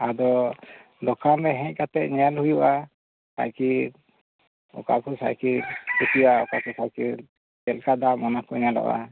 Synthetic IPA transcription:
ad̪ɔ | d̪ɔkanɾɛɦɛ̃ɲ̚kat̪ɛt̪̚ɲɛalhujuʔa | sa̰jkiɾ | ɔ̰ka̰kusa̰jkiɾkukijaɔ̰kakusajkiɾ | ɛlkad̪amɔnakujɲalɔ̰ʔa̰

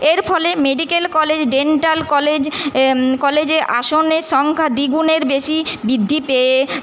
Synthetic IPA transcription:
eɾfʰɔlemeɖikelkɔled͡ʑɖeɳʈalkɔled͡ʑ | kɔled͡ʑeʔa̰ʃoneʃɔŋkʰad̪iɡuneɾbeʃibid̪ʱːipee

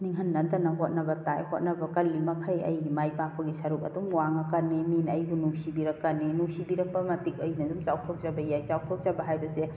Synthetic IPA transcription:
niŋɦɐnːɐdɐnɐɦot̚nɐbɐtajhot̚nɐbɐkɐlːimɐkʰɐjɐ̰jɡimajpak̚pɐɡisɐɾukɐ̰dumwaŋɐkɐnːiminɐjbunusibiɾɐkːɐnːinusibiɾɐk̚pɐmɐtik̚ojnɐdumt͡ʃaw̚tʰok̚zabɐjajt͡ʃawtʰop̚zabɐɦajbɐse

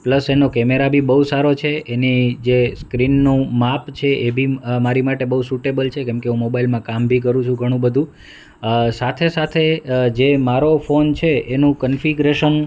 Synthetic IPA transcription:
pləsenokɛmeɾabʱibəɦusaɾot͡ʃʰeenid͡ʒeskɾinːũmapt͡ʃʰeʔebʱimaɾimaʈebəusuʈebəlt͡ʃʰekɛ̃mkeɦũmobailmãkambʱikəɾũt͡ʃʰũɡʱəɽ̃ũbəd̪ʱũ | sat̪ʰesat̪ʰed͡ʒemaɾofont͡ʃʰeenũkənfiɡɾeʃən

